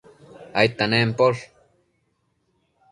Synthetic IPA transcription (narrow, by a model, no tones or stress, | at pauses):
ajt̪aneːmpol